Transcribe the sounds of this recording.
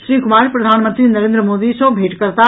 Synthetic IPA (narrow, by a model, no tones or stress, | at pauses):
sɾiɡumaɾpɾəd̪ʱanmənt̪ɾinəɾẽnd̪ɾəmod̪isəbʱeʈkəɾt̪a